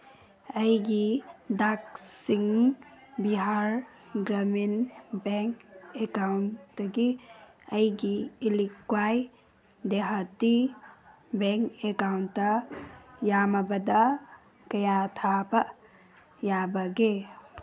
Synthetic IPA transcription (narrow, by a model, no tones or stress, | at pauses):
ɐjɡidaksiŋ | biɦaɾ | ɡɾɐminbeŋkekawnɐɡi | ɐjɡiːlikːwaj | deɦati | bɛŋkekawntːɐ | jamɐbɐdɐ | kɐjatʰabɐ | jabɐɡe